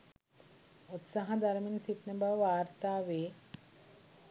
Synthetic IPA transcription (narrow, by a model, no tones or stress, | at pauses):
ut̪saɦɐd̪aɾminsiʈnəbaʋaːɾt̪aːʋeː